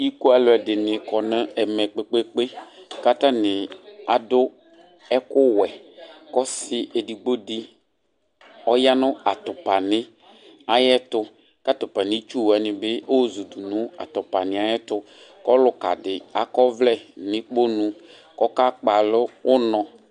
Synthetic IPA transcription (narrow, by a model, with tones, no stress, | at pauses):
i˦ku˦a˨lʊ˨ɛ˨dɪ˨nɪ˨kɔ˨nɪ̃˦ɛ˨mɛ˨k͡pe˦k͡pe˦k͡pe˦ka˦ta˦nɪ˨a˨dʊ˦ | ɛ˦kʊ˦wɛ˨kɔ˦sɪ˦e˨di˨ɡ͡bo˦dɪ˦ | ɔ˦ja˦nʊ̃˦a˨tʊ˨pa˨nɪ˦ | a˦jɛ˦tʊ˦ | ka˦tʊ˨pa˨nɪ̃˨˦t͡ʃu˦wɛ˨nɪ̃˨bɪ˦o˦zu˨du˨nʊ̃˨˦a̰˨tʊ˨pa˨nɪ̃˨a˨jɛ˦tʊ˦ | kɔ˦lʊ˦ka̰˨dɪ˨a˨kɔ˦vlɛ˦˨nɪ̃˨k͡po˦nũ˨ | kɔ˦ka˦k͡pa˨lʊ˦ʊ˦nɔ̃˨